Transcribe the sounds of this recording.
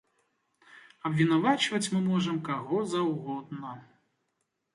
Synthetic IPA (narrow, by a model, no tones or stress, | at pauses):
ɐbvʲinavat͡ʃvɐt͡sʲmɨmɔʐɐmkaɣɔzɐwɣɔd̪nɐ